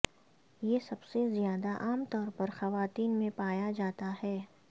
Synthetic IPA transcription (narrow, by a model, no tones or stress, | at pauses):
jesɐbsezijaːd̪aʔaːmt̪ɔːɾpɐɾxɐʋaːt̪iːnmẽpaːjad͡ʒaːt̪aɦɛː